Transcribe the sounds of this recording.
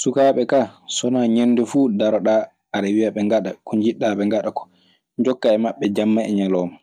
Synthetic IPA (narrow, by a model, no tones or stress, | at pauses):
sukaːɓɛkaːsɔnaːɲenːdɛfuːdaɾɔɗaː | aɾawijaɓɛŋɡaɗakuɲd͡ʒiɗːaɓɛŋɡaɗakɔ̥ | ɲd͡ʒɔkːaɛmaɓːɛd͡ʒamːaɛ̰ɲalɔːma